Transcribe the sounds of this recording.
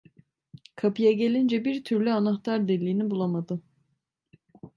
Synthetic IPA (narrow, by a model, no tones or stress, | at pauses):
kʰapɯjaɟe̞lʲind͡ʒɛbiɾt̪ʰyɾlʲyanaxt̪ʰaɾd̪ɛlʲːiːnibulˠamad̪ɯ